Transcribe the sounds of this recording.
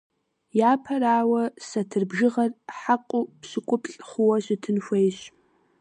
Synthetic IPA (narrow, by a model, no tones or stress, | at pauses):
jaːpʰɐraːwɐsɐtʰɨrbʒɪʁɐrħaqʷʼʊpɕɪkʷʼʊpʼɬʼχʷʊwɐɕɪtʰɨnxʷejɕ